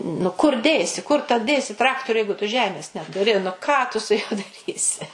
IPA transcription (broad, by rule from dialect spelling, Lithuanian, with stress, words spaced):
nʊ kʊr ˈdʲeːsʲɪ kʊr tɐ ˈdʲeːsʲɪ ˈtrɑːktoːrʲʊ ˈjɛɪɡʊ tʊ ˈʒʲæːmʲeːs nʲɛtʊˈrʲɪ nʊ ˈkɑː tʊ sʊ ˈjuɔ dɐˈrʲiːsʲɪ